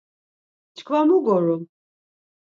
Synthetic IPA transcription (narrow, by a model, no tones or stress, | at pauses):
t͡ʃʰkvamuɡoɾu